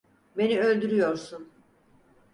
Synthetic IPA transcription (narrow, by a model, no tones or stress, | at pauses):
be̞niø̞lʲd̪yɾyjo̞ɾsun